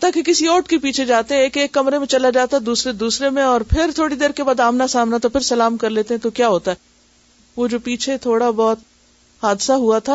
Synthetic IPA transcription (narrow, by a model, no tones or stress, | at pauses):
t̪akekɪsiɔːʈkepiːt͡ʃʰed͡ʒaːt̪eɦɛ̃ːkeːkːɐmɾemẽt͡ʃɐlad͡ʒaːt̪aɦɛd̪uːsɾed̪uːsɾemẽɔːɾpʰɪɾt̪ʰoːɽid̪eːɾkebaːd̪aːmnasaːmnat̪opʰɪɾsɐlaːmkɐɾleːt̪eɦɛ̃t̪okjaːɦoːt̪aɦɛ | ʋoːd͡ʒoːpiːt͡ʃʰet̪ʰoːɽabɔːt̪ | haːd̪saɦuat̪ʰa